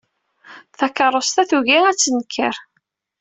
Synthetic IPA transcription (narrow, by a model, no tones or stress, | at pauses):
θækːəɾˤost̪æθuʝiæt͡sːənkːə̰ɾ